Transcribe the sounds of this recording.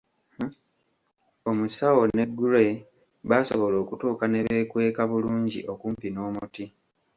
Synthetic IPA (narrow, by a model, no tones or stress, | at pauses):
o̞musawo̞ne̞ɡːule̞ | βaso̞̰βo̞lo̞ːkutuːkane̞βe̞ːkwe̞ːkaβuluːɲɟḭʔo̞kuːmpino̞ːmuti